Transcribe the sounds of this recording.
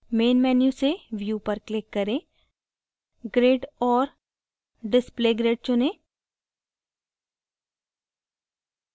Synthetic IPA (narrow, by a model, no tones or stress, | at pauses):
meːnmɛːnjuseʋjuːpɐɾklɪkːɐɾẽː | ɡɾeːɖɔːɾ | ɖɪspleːɡɾeːɖ̚t͡ʃʊnẽː